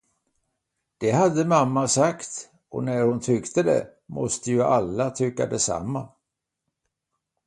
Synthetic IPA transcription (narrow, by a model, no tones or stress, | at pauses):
d̪̥ɛhad̪ːəmamːasakt̪ | ɔ̰næɾhʊnt̪ʰʏkt̪əd̪ɛ̰mɔst̪əjɵʔalːat̪ʰʏkːa̰d̪ɛsa̰mːa